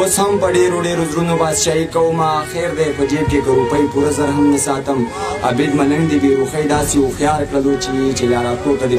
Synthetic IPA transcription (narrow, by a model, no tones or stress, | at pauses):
oshɐmpɐɖeːɾuɽeːɾuzɾunobaːsʃaːɦikɐwmaːxeːɾd̪eːɾfɐd͡ʒiːb̚kekɐɾupɐipuɾɐzɐɾɦɐnːisaːt̪ɐmɐ̰bid̪mɐnɐnd̪ibeːɾuxɐjd̪aːsioxjaːɾkɽɐloːt͡ʃʰiit͡ʃejaːɽaːkt̪oːt̪ɐd̪i